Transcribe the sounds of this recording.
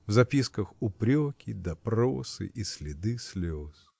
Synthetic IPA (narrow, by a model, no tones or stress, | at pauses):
vzɐpʲiskəxʊpɾʲokʲɪd̪ɐpɾosɨ̰ʔisʲlʲɪd̪ɨsʲlʲos